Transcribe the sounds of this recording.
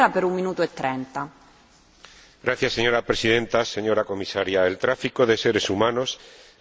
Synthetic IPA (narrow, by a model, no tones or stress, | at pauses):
ɾapeɾumːinuːt̪oet̪ːɾɛnt̪a | ɡɾaθjasːeɲo̞ɾapɾesiðẽnt̪ase̞ɲo̞ɾako̞misaɾjaelt̪ɾafikoðe̞seɾesumãno̞s